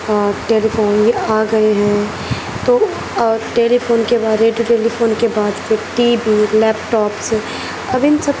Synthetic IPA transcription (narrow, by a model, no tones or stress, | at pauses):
ʈeːlifoːnjeaːɡɐeɦɛ̃ | t̪oː | ɔʈeːlifoːnkebaːɾeːɖjuʈeːlifʰoːnkebaːd̪keʈiːbilɛːpʈɔːps | ɐbɪnsɐb